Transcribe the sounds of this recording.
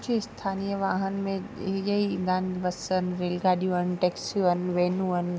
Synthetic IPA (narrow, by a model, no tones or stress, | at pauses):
d͡ʑʰiɪst̪ʰaːnijəʋaːɦənɪ̆mẽʄəid̪aːnbɐsənɪ̆ɾeːlɡaːɗijũənɪ̆ʈeːksjũənɪ̆ʋeːnũənɪ̆